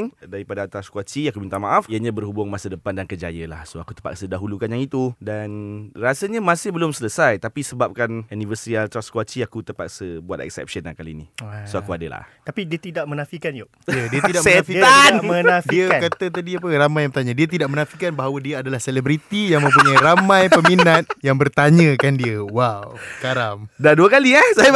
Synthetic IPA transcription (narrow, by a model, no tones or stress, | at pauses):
ŋdaɾipadat̪ɾaskwat͡ʃiakubint̪aŋmaʔafiəɲabərhubʊŋmasədəpandankəd͡ʒajəla̰hsoaku̥t̪ə̥pa̰ksədaɦulukanjaŋit̪udanrasəɲamãsɪhbəlʊmsələsajt̪apisəbap̚kanunĩvəsɾialt̪ɾaskwat͡ʃiakut̪əpa̰ksəbuat̪ɛ̰k̚sɛ̰p̚ʃəna̰hkaliːnisoakuadəla̰t̪apidiət̪idaʔ̚mənafikand͡ʒo | iədiət̪idaksɛafianəafdiəkat̪ət̪adiapəɾamajãŋbət̪aɲə̃diət̪̬idaʔ̚mənãfikanbaɦawədiəadalahsɛlɛbɾit̪ijaŋmə̃mpuɲajɾamãjpəminat̪̚jaŋbərt̪aɲə̃kandiəwawssəkaɾaŋdaduəkaliasaja